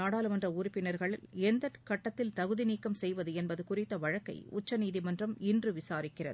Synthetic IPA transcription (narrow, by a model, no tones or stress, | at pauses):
aːɽaːlɯmɐndrɐuːɾɪpːɪnɐɾɣɐɭɪlɛnd̪ɐʈkɐʈːɐt̪ːɪlt̪ɐɣɯðɪniːkːɐmsɛjʋɐðɯɛnbɐðɯkʊrɪt̪ːɐʋɐɻɐkːɐ̰ɪʊt͡ʃːɐniːðimɐndrɐmɪndrɯʋɪsaːɾɪkːɪrɐ̰ðɯ